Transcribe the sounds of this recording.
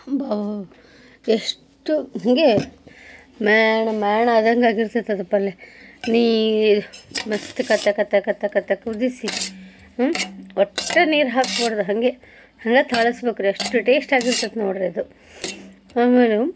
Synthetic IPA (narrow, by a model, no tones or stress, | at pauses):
bɐ | eʂ | ʈuɦɐŋɡe | mɛːɳɐmaːɳɐɐd̪ɐŋɡaːɡiɾt̪ɐt̪ːɐd̪ɐpːɐlːeniː | mest̪ukɐt̪ːɐkɐt̪ːɐkɐt̪ːɐkɐt̪ːɐkud̪isi | ɔʈːeniːɾɦaːkpoːɽd̪uɦɐŋɡe | hɐŋɡet̪ʰaːɭɐsbeːkuɾeʂʈuʈeːʂʈaːɡiɾt̪ɐd̪noːɽɾed̪u | aːmeːlu